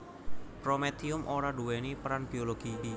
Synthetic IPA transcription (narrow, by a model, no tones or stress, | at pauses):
pɾomet̪iʊmʔoɾaɖuwenipɾanb̥ioloɡ̥idi